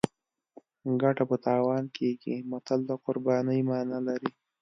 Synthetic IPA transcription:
ɡaʈapət̪ɑːwɑnkeɡimat̪ald̪aqʊɾbɑːnəjmɑːnalaɾi

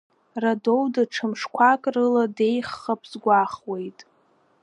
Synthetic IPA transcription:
rado̞wdaʈ͡ʂʰɨmʂkʷʰakʼrɨlade̞jχːapʼzɡʷaχwe̞jtʼ

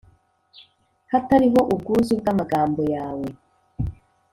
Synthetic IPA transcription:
hataɾiɦo̞ʔub̚ɡuːzub̚ɡamaɡaːmbo̞jaːwe̞

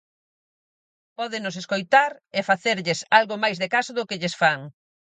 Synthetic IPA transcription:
pɔðenos̬eskojt̪aɾefaθeɾʎesalɣomajzðekasʊðʊkɪʎesfaŋ

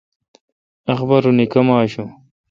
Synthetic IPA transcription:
ɐxbɐɾunikɐmaːɕu

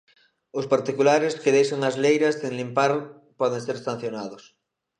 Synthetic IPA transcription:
ospaɾt̪ikulaɾeskeðejʃaŋazlejɾasðẽŋlimpaɾ | pɔð̞ẽŋseɾest̪ãn̟θjonaðos

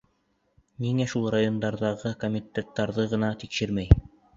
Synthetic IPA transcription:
miŋæʃulˠrajo̞nd̪ɑɾðɑʁɤkomʲit̪ʲːet̪ːɑɾðɤʁɤ̆nɑt̪ikʃɘɾmæj

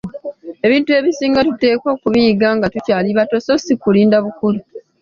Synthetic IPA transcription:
e̞βiːntue̞βisiːŋɡatute̞ːko̞ːkuβijiɡaːŋɡatucaːliβato̞so̞sikuliːndaβukulu

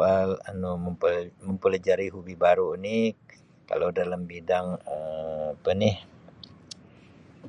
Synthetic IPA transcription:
alanuməməmpəlad͡ʒaɾiɦubibaɾunɪ | ka̰lowdalambidaŋaapənɪh

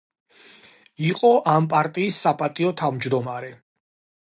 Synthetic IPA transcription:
iqʼɔʔampʼaɾt̪ʼiːsːapʼat̪ʼiɔt̪ʰavmd͡ʒd̪ɔmaɾɛ

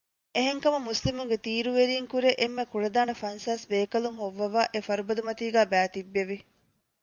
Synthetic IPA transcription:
eɦeŋkɐmumuslimuŋɡet̪iːɾuʋeɾiːŋkuɾeʔemːekuɾɐd̪aːnɐfɐnsaːsbeːkɐlumɦoʋːɐʋaːʔefɐɾubɐd̪umɐt̪iːɡæːbæːt̪ibːeʋi

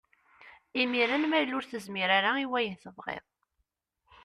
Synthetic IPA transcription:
imiɾænmæjlːʊɾθəzmiɾaɾaiwæjəθəvʁḛðˤ

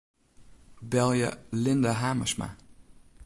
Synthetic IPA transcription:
bɛlˠjə̰lɪndaɦaːməsma̰

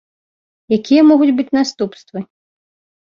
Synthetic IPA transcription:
jakʲijɐmɔɣud͡zʲbɨt͡sʲnast̪upst̪vɨ

